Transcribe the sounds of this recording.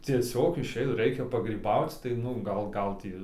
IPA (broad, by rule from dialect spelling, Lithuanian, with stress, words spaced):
t͡sʲiɛˈsʲoːk ɪˈʃʲɛɪt ˈrɐɪkʲɛ pɐɡrʲiːˈbɐʊt͡s tɐɪ ˈnʊ ˈɡɐlˠ ˈɡɐlˠ tʲiː